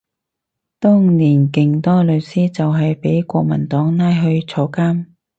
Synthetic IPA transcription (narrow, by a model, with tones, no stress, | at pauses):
t̪ɔː˥ŋniː˨˩nkɪ˨ŋt̪ɔː˥lɵ˨˧wsiː˥t͡sɐ˨wɦɐ˨jpe˨˥jkʷɔː˧k̚mɐ̰˨˩nt̪ɔː˨˥ŋnaː˥jɦɵ˧ɥt͡sʰɔː˨˧kaː˥m